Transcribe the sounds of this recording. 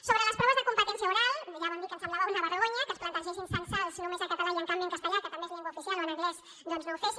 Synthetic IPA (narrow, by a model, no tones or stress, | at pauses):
soβɾələspɾɔβəzðəkumpət̪ɛnsjauɾalʒaβamd̪ikənsamlaβaunaβərəɣoɲɐkəlsplant̪aʒensiɱsansalsnõmezakat̪alaʎeŋkambjieŋkast̪əʎakət̪ambezleŋɡwaufiθjaloniŋɣlɛs | d̪onznewfes